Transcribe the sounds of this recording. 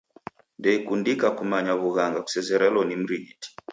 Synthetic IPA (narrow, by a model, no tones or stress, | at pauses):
ndɛikundikakumaɲaβuɣaŋɡaku̥sɛzɛɾɛlɔnim̩ɾiɣiti̥